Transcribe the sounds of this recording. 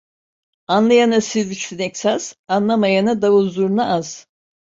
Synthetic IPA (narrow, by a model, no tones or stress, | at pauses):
anlˠajanasizyt͡ʃ̪ynɛksaz̥anlˠamajanad̪avuzuɾunaʔaz̥